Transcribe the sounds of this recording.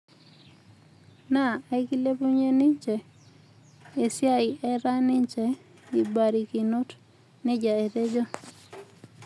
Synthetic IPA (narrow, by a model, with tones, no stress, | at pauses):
na˦˨a˨i˦ki˦le˦pu˦ɲe˦nɪ˦ɲt͡ʃɛ˨ | e˨sja˦ɪ˨ɛ˦ɾa˦nɪ˦ɲt͡ʃɛ˨ | i˨ba˨ɾi˨ki˨no˦t | nɪ˦d͡ʒa˨e˨te˦d͡ʒo˦